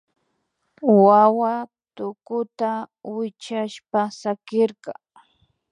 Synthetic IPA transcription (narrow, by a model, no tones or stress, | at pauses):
wawat̪ʊkʊt̪awɪt͡ʃaʃpasakɪɾqɑŋ